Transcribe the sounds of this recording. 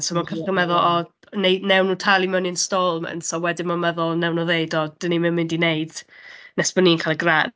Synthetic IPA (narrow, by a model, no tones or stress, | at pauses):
sɔmankʰərəmɛðʊlˠɔ | nejdnɛwnuːtʰalˠimɛwninstolˠmɛ̰nsɔwɛdɪnmamɛðʊlˠnɛwnɔðeɨdɔd̥ənimɛmɪndineɨd̥nɛsb̥əninkʰalˠəɡran